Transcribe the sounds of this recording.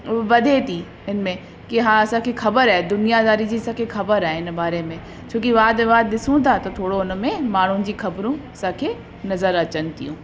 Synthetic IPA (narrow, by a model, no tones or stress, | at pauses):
ʊʋɐd̪ʱet̪ʰi | ɦɪnmẽ | kiɦãːɐsãːkʰexɐbəɾaːed̪ʊnijazaːɾid͡ʑiːsãːkʰexɐbəɾaːɦeɦɪnəbaːɾemẽ | t͡ɕʰõːkiʋaːd̪ʋaːd̪ɗ̪ɪsũt̪ʰat̪ɐt̪ʰoːɽoʊnmẽmaːɳ̤ũd͡ʑiːxɐbɾũɐsãːkʰeː | nɐzəɾɐt͡ɕənɪ̆t̪ijũː